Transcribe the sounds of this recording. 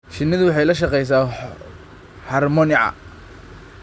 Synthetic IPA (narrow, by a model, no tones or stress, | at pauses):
ʃɪnːɪðʊwɑħɑjlɐʃ̬ɑqɛjs̬aː | hɐrmɔnɪʕɑ̰